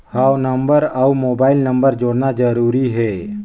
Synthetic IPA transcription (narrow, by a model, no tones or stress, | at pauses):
hawnəmbəɾaumobaːilnəmbəɾd͡ʒoɽnad͡ʒəɾuɾiɦɛ